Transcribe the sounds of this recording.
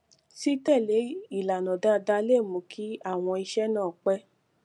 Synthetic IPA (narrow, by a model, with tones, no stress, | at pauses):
si˦tɛ˦˨le˨˦i˦˨la˨nɔ̃˨da˦da˧˦le˦˨mõ˨˦kʰi˦a˦˨w̃ɔ̃˧i˧ʃɛ˦nãː˦˨k͡pɛ˦